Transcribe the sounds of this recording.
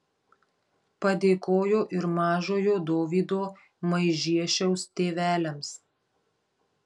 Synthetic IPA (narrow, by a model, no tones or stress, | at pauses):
pɐd̪ʲeːkoːjoːʔɪɾmɑːʒoːjoːd̪oːʋʲiːd̪oː | mɐɪʒʲiɛʃʲɛʊst̪ʲeːʋʲæːlʲɛms